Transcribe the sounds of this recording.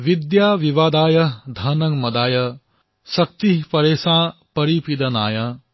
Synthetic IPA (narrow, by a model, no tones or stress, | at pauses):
ʋid̪jaːʋiʋaːd̪aːjɐd̪ʱɐnɐŋmɐd̪aːjɐ | sɐk̚t̪iɦpɐɾeːsãːpɐɾipid̪ɐnaːjɐ